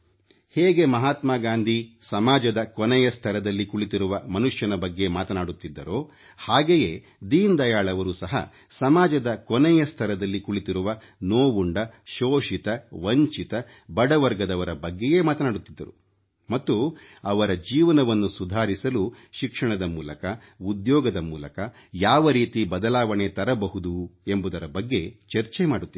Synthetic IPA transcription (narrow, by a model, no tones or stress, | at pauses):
heːɡe̞mɐɦaːt̪maːɡaːnd̪ʱisɐmaːd͡ʒɐd̪ɐkɔnɛjɐst̪ʰɐɾɐd̪ɐlːikuɭit̪iɾuʋɐmɐnuʂjɐnɐbɐɡːe̞maːt̪ɐnaːɽut̪ːid̪ːɐ̰ɾo̞ː | haːɡejeː | d̪iːnd̪ɐjaːɭɐʋɐɾusɐɦɐ̰ | sɐmaːd͡ʒɐd̪ɐkɔnɛjɐst̪ʰɐɾɐd̪ɐlːikuɭit̪iɾuʋɐ | noːʋuɳɖɐʃoːʂit̪ɐʋɐɲt͡ʃit̪ɐ | bɐɽɐʋɐɾɡɐd̪ɐʋɐɾɐbɐɡːeje̞ːmaːt̪ɐnaːɽut̪ːid̪ːɐɾu | mɐt̪ːuɐʋɐɾɐd͡ʒiːʋɐnɐʋɐnːusud̪ʱaːɾisɐlu | ʃikʂɐɳɐd̪ɐmuːlɐkɐ | ud̪jɔːɡɐd̪ɐmṵːlɐkɐ | jaːʋɐɾiːt̪ibɐd̪ɐlaːʋɐɳe̞t̪ɐɾɐbɐɦud̪ue̞mbud̪ɐɾɐbɐɡːe̞t͡ʃeɾt͡ʃemaːɽut̪ːi